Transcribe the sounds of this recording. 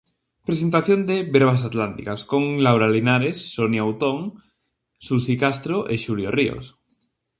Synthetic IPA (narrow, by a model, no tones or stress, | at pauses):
pɾesent̪aθjond̪eβeɾβ̞asat̪lant̪ikaskoŋlawɾalinaɾesːonjowt̪oŋ | susikast̪ɾoʔeʃuljorio̰s